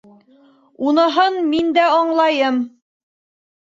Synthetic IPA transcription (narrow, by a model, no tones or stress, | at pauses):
unɤ̆ɦɤnmind̪æɑɴlˠɑjɤm